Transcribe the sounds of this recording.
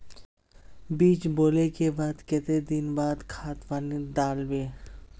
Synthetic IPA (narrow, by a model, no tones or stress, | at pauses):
biːt͡ʃboːlekebaːd̪ket̪ed̪ɪnbaːd̪kʰaːt̪ʋaːnid̪aːlweː